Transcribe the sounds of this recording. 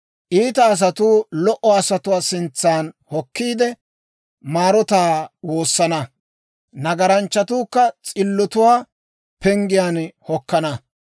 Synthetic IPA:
ʔiːt̪ɐːs̬ɐt̪uːlɔʔɔɐsɐt̪ʊwaːsɪnt͡sːaːnhɔkːiːd̪ɛ | maːɾɔt̪aːwo̞ːsːɐnɐ | nɐɡɐɾɐnt͡ʃːɐt̪uːkːɐt͡sʼɪlːɔt̪ʊwaː | pɛŋɡɪjaːnhɔkːɐnɐ

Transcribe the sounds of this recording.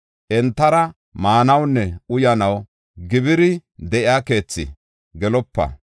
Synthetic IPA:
ʔɛnt̪ːɐɾɐ | maːnɐwnːɛʊjɐnɐw | ɡɪbɪɾɪd̪ɛʔɪaːke̞ːt͡sːɪ̰ | ɡɛlɔpːɐ̰

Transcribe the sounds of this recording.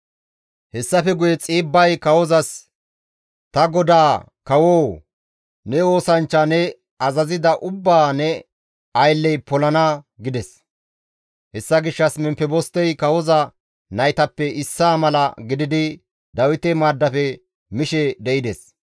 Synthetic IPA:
hɛsːɐfɛɡʊjɛt͡sʼiːbːɐjkɐwɔzɐs | t̪ɐɡɔd̪aː | kɐwoː | nɛo̞ːsɐnt͡ʃːɐnɛ | ɐzɐzɪd̪ɐʔʊbːaːnɛ | ɐjlːɛjpɔlɐnɐ | ɡɪd̪ɛs | hɛsːɐɡɪʃːɐsmɛmpːɛbɔst̪ːɛjkɐwɔzɐ | nɐjt̪ɐpːɛɪsːaːmɐlɐɡɪd̪ɪd̪ɪ | d̪ɐwɪt̪ɛmaːd̪ːɐfɛ | mɪʃɛd̪ɛɪd̪ɛs

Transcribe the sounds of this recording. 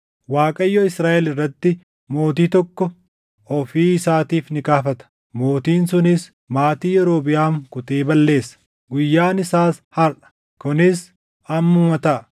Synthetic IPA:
waːkʼɐjːɔɪsɾaːʔɛlɪrːɐt̪ːɪ | mo̞ːt̪iːt̪ɔkːɔ | ɔfiːɪsaːt̪iːfnɪkaːfɐt̪ɐ̥ | mo̞ːt̪iːnsʊnɪs | maːt̪iːjɛɾo̞ːbɪjaːmkʊt̪eːbɐlːe̞ːsːɐ̥ | ɡʊjːaːnɪsaːshɐɾʔɐ̥ | kʊnɪs | ɐmːʊmɐt̪ɐʔ

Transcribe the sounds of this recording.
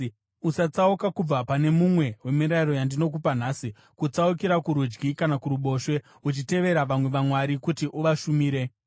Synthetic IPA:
usat͡saukakub͡vapane̞mumwe̞we̞miɾaiɾo̞jandino̞k̬upan̤asi | kut͡saukiɾakuɾud͡ʒɡikanakuɾuɓo̞ʃwe̞ | ut͡ʃite̞ʋe̞ɾaʋamwe̞ʋamwaɾikutiʔuʋaʃumiːɾe̞

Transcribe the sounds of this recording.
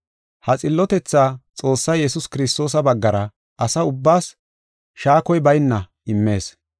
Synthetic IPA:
hɐt͡sʼɪlːɔt̪ɛt͡sːaːt͡sʼo̞ːsːɐjjɛsʊskɪɾɪst̪o̞ːs̬ɐbɐɡːɐɾɐ | ɐsɐʊbːaːs | ʃaːkɔjbɐjnːɐ | ɪmːe̞ːs

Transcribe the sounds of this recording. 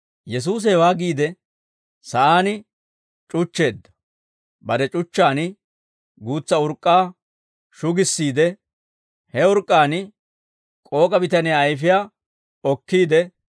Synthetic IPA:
jɛs̬uːs̬ɛwaːɡiːd̪ɛ | sɐʔaːnɪ | t͡ʃʼʊt͡ʃːe̞ːd̪ːɐ̥ | bɐd̪ɛt͡ʃʼʊt͡ʃːaːnɪ | ɡuːt͡sːɐʊɾkʼːaː | ʃʊɡɪsːiːd̪ɛ | hɛʊɾkʼːaːn | kʼo̞ːkʼɐbɪt̪ɐnɪjaːjfɪjaː | ɔkːiːd̪ɛ

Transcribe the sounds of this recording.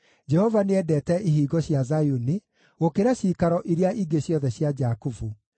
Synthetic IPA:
d͡ʒɛhɔvaneɛdɛːtɛiɦiːɡɔɕjazajuni | ɣokeɾaɕiːkaɾɔʔiɾeaʔiɡeɕjɔðɛɕjad͡ʒakufu

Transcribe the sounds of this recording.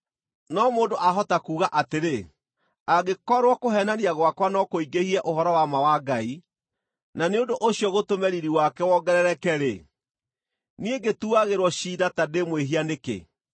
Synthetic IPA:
nɔmoːndoʔaɦɔtakuːɣaʔateɾe | aɣekɔɾwakoɦɛnaniaɣwakwanɔkoiɡehiɛʔoɦɔɾɔwamawaɡai | naneondoʔoɕjɔɣotomɛɾiɾiwakɛwɔɡɛɾɛɾɛkɛɾe | nieɡetuaɣeɾwɔɕiːdatademweɦianekḛ

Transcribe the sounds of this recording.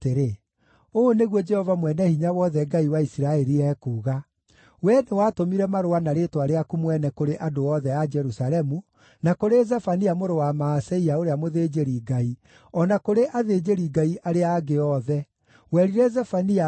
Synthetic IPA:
teɾe | oneɣwɔd͡ʒɛhɔvamwɛnɛhiɲawɔðɛɡaiwaisiɾaɛɾiɛːkuːɣa | wɛnewatomiɾɛmaɾoanaɾetwaɾeakumwɛnɛkoɾeʔadoɔðɛad͡ʒɛɾusalɛmu | nakoɾezafaniamoɾowamaːsɛiaoɾeamoðed͡ʒeɾiɡai | ɔnakoɾeʔaðed͡ʑeɾiɡaiʔaɾeaːɡeɔðɛ | wɛɾiɾɛzafania

